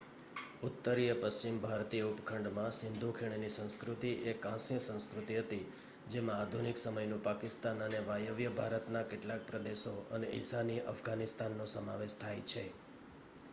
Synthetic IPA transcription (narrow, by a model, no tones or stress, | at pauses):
ut̪ːəɾijəpəst͡ʃimbʱaɾt̪ijəupkʰəɳɖmãsɪnd̪ʱukʰiɽ̃enisə̃ñskɾut̪iekãsijəsə̃w̃skɾut̪iɦət̪i | d͡ʒemãːd̪ʱuniksəməjnũpakɪst̪anəneʋajəʋjəbʱaɾət̪nakeʈlãk̚pɾəd̪eʃoəneḭsaniʔə̰fɡanɪst̪anːõsəmaʋeʃt̪ʰajt͡ʃʰe